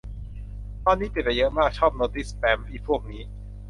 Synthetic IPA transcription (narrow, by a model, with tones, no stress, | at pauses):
t̪ɔː˧nːiː˦˥t̪i˨˩t̪̚t͡ɕa˧˩jɤ˦˥ʔmaː˥˩k̚t͡ɕʰɔː˥˩p̚noː˧˥t̪iː˥˩spɛː˧˩miː˥˩pʰu˥˩ək̚niː˦˥